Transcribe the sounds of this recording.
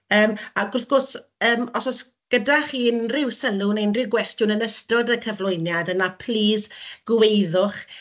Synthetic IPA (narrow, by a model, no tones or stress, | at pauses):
əːmaɡʊrθɡʊrsəːmɔsɔs | ɡ̥ədaχiːnrɪwsəlʊnejnrɪwɡwɛstjʊnənəstɔdəkʰəvlˠʊɨnjadənapʰliːsɡ̥wejðʊχ